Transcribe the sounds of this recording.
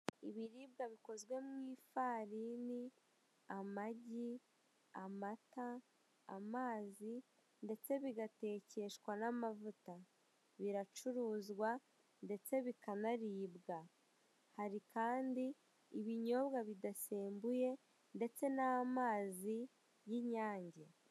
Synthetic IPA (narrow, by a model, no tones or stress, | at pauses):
iβiɾiːbɡaβiko̞zɡwe̞mwiːfaːɾiːni | amaɟi | amata̰ː | maːzi | nde̞t͡se̞βiɡate̞ːce̞ʃwanamavuta | βiɾat͡ʃuɾuːzɡwa | nde̞t͡se̞βikanaɾiːbɡa | haɾikaːndiː | βiɲo̞βɡaβidase̞ːmbuje̞ | nde̞t͡se̞naamaːzi | jiɲaːɲɟe